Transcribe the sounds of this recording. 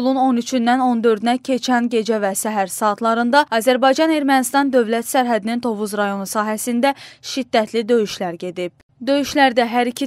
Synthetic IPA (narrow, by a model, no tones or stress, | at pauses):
lˠuno̞nyt͡ʃʰynd̪æno̞nd̪ø̞ɾd̪ynæcʰe̞t͡ʃʰænɟe̞d͡ʒævæsæɦæɾsɑːt̪ʰlˠɑɾɯnd̪ɑɑːzæɾbɑjd͡ʒɑne̞ɾmænist̪ɑnd̪ø̞vlæt̪sæɾɦæd̪inint̪ʰo̞vuzɾɑjo̞nusɑːɦæsind̪æʃid̪ːæt̪ʰlid̪ø̞jyʃlæɾɟe̞d̪ib̥̚ | d̪ø̞jyʃlæɾd̪æɦæɾicʰi